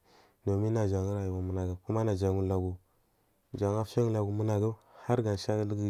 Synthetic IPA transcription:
no˨mi˦na˨d͡ʒa˨ŋi˦ɾa˨ju˨wa˨mu˨na˨ɡa˨ku˦ma˦na˨d͡ʒa˨ŋu˦la˨ɡu˨ | d͡ʒa˨ŋa˦ft͡ʃa˦ŋu˦la˨ɡu˨mu˦na˨ɡa˦ha˦ɾɡa˨ʃa˦lə˦ɡi˦

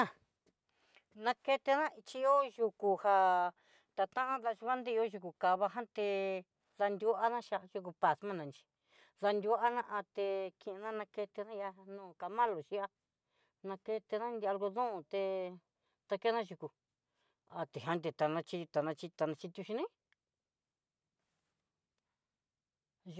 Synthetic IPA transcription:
a˦˨ | nã˧ke˧t̪e˧nã˦i˧t͡ʃi˧˦o˦ʒu˧ku˧ha˧ | t̪a˧t̪ã˦ʔã˦ða˧ʃu˧ka˦nd̪e˦˧o˦ʒu˧ku˨ka˧βa˧ɦã˦t̪e˧ | ða˧nd̪ʲu˧ʔa˦nã˦ʃa˧ʒu˧k̬u˧pa˧smã˦nã˨˧nt͡ʃi̥˧ | ða˧nd̪ʲu˧a˦nã˦ʔa˧t̪e˧kĩ˧nã˦nã˧ke˧t̪e˧nã˦ja˧nũː˦˨ka˧mã˦lo˨ʃi˧a˦ | nã˧ke˧t̪e˧nã˦nd̪a˧lɡo˧ðõ˦˧˨t̪e˧ | t̪a˧ke˦nã˦ʒu˧ku˨ | a˧t̪e˨ã˦nd̪e˧t̪a˨nã˧t͡ʃi˧t̪a˨nã˧t͡ʃi˧t̪a˧nã˧t͡ʃi˧t̪ʲu˧ʃi˧nĩ˦

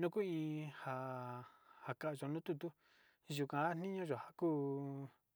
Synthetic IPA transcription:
nũ˦ku˦ĩ˧ha˨ | ha˨ka˨ʔʒo˨nũ˦t̪u˧t̪u˦ | ʒu˨kã˨a˦nĩ˦ɲõ˦ʒo˨ha˨kuː˦

